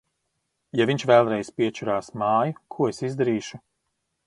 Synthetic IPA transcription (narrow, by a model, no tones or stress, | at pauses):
javʲiɲt͡ʃvɛlˠɾɛjspʲiɛt͡ʃuɾaːsmaːjukʰuɔesizd̪aɾiːʃu